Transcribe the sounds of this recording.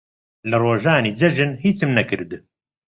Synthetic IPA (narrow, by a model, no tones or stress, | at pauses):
lɨroːʒaːniːd͡ʒɐʒɨnhiːt͡sɨmnɐkɨɾd̪